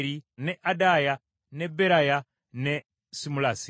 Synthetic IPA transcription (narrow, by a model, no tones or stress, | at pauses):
ɾinɛʔadaja | nɛbɛɾaja | nɛ | simulaːsi